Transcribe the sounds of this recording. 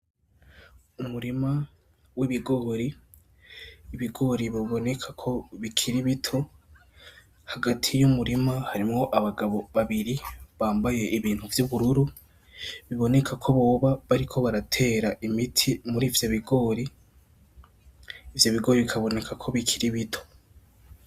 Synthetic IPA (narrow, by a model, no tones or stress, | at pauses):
umuɾima | wiβiɡo̞ːɾi | βiɡo̞ɾiβoβo̞ne̞kʰakʰo̞βikʰiɾiβitʰo̞ | haɡatʰijumuɾimahaɾimŋo̞ʔaβaɡaβo̞βaβiɾiβaːmbaje̞ʔiβiːn̥huvjuβuɾuɾu | βiβo̞ne̞kʰakʰo̞βo̞ːβaβaɾikʰo̞βaɾatʰe̞ːɾaʔimitʰimuɾiːvjoβiɡo̞ːɾi | vjo̞βiɡo̞ːɾiβikʰaβo̞ne̞kʰakʰo̞βikʰiɾiβitʰo̞̥